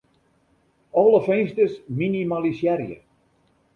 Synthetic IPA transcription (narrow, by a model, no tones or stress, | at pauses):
ɔləfeŋstəsminimalisjɛɾjə̰